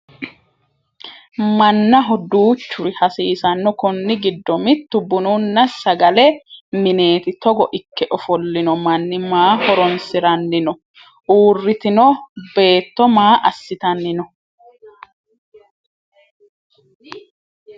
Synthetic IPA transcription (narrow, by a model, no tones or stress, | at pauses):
mɐnːɐɦɔd̪uːt͡ʃːʊɾɪhɐsiːsɐnːɔkʊnːɪɡɪd̪ːɔmɪt̪ːʊbːʊnuːnːɐsɐɡɐlɛmɪne̞ːt̪ɪt̪ɔɡɔʔɪkːɛʔɔfɔlːɪnɔmɐnːɪmaːhɔɾɔnsɪɾɐnːɪnɔ | uːrːɪt̪ɪnɔbe̞ːt̪ːɔmaːʔɐsːɪt̪ɐnːɪnɔ